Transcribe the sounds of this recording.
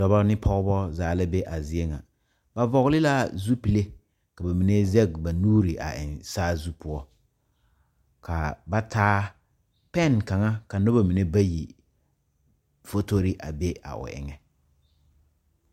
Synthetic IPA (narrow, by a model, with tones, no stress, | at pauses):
dɔ˨ba˦nɪ˦pʰɔ˦ɣbɔ˦zaː˨la˦be˦ʔa˨zɪ˦e˦ŋa̰˨ | ba˨vɔ˨ɣlɪ˦la˦zu˦pi˨le˦ | ka˨ba˨mi˨ne˦zɛ˦ɡ̚ba˨nuː˦ɾi˨ʔa̰˨ʔɪ̰˨nsaː˦zu˦pʊ˦ɔ˦ | kʰa˨ba˦tʰaː˦ | pɛ˦˨nka˨ŋa˦ka˨no˦ba˦˨mi˨ne˦ba˦ji˨ | fo˦to˦ɾɪ˦ʔa̰˨be˦a̰˨ʊ̰˨ʔɪ̰˨ŋɛ˨